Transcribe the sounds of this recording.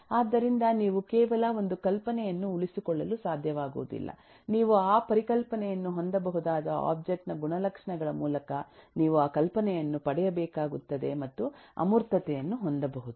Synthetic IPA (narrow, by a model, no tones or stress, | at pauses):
aːd̪ːɐɾind̪ɐniːʋukɛːʋɐlɐond̪ukɐlpɐnɛjɐnːuuɭisikɔɭːɐlusaːd̪ʱjɐʋaːɡṵːd̪ḭlːɐ̰ | niːʋuaːpɐɾikɐlpɐnɛjɐnːuɦo̞nd̪ɐbɐɦud̪aːd̪ɐa̰ːb̚d͡ʒek̚ʈnɐɡuɳɐlɐkʂɐɳɐɡɐɭɐmuːlɐkɐniːʋuaːkɐlpɐnɛjɐnːupɐɽɛjɐbɛːkaːɡut̪ːɐd̪e̞̰mɐt̪ːuɐ̰muɾt̪ɐt̪ɛjɐnːuɦo̞nd̪ɐbɐɦud̪u